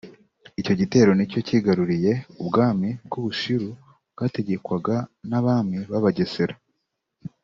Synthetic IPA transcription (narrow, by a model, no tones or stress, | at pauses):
ico̞ɟite̞ːɾo̞nico̞ciɡaɾuɾije̞ubɡaːmib̚ɡuβuʃuɾu | bɡaːte̞ɟe̞kwaɡanaβaːmiβaβaɟe̞se̞ɾa